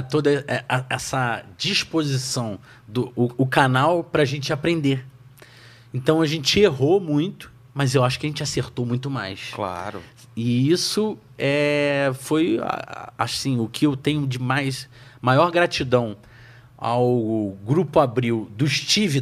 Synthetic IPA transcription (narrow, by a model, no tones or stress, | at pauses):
t̪od̪ɐɛɛsɐd͡ʒiʃpozisɐ̃w̃ | d̪ʊːkanawpɾɐaʒẽnt͡ʃɪapɾẽnd̪eɾ | ẽnt̪ɐ̃w̃ɐʒẽnt͡ʃɪeɦomũj̃t̪ʊ̥ | mɐzewaʃʊ̥kɪɐʒẽnt͡ʃɪaseɾt̪omũj̃t̪̬ʊmajskla̰ɾʊ̰ | ɪisʊ | ɛfoj̰a̰sĩʊkʰɪewt̪ẽɲʊd͡ʒɪmajs | majɔɾɡɾat͡ʃid̪ɐ̃w̃ | a̰wɡɾupʊabɾiwd̪ʊʃt͡ʃivi